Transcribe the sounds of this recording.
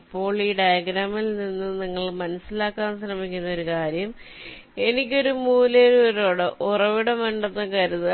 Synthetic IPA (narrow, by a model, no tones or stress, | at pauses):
pːo̞ːɭiːɖɐjɐɡɾaːmilninːɨniŋːɐɭmɐnɐsːilaːkːaːnsrɐmikʲːunːɐo̞ɾukaːɾjɐm | e̞nikʲːo̞ɾumuːleɾuɐɾoːɽɨʔurɐʋiɽɐmeɳɖɐt̪ːɐkɐɾuðɨ